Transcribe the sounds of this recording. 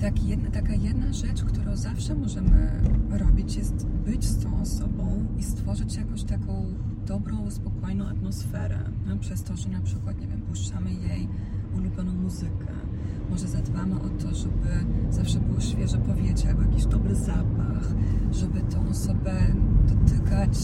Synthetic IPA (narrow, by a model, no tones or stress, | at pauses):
t̪akjɛd̪nat̪akajɛd̪naʐɛt͡ʂkt̪uɾɔ̃w̃zafʂɛmɔʐɛmɘ̰ɾɔbʲit͡ɕjɛst̪bɘt͡ɕst̪ɔ̃w̃ɔsɔbɔ̃w̃ist̪fɔʐɘt͡ɕjakɔ̃w̃ɕt̪akʰɔ̃w̃ | d̪ɔbɾɔ̃w̃spɔkʰɔjnɔ̃w̃at̪mɔsfɛɾɛ̰apʂɛst̪ɔʐɛnʲapʂɘkwat̪ɲevʲjɛmpuʂt͡ʂamɘjej | ulubʲjɔnɔ̃w̃muzɘkʰɛ̰ | mɔʐɛzad̪bamɘʔɔt̪ɔʐɛbɘzafʂɛbɘwɔɕfʲjɛʐɛpɔvʲjed͡ʑjabɔjakʲiʑd̪ɔbɾɘzapaxʐɛbɘt̪ʰɔ̃w̃ɔsɔbɛd̪̥ɔt̪ɘkat͡ɕ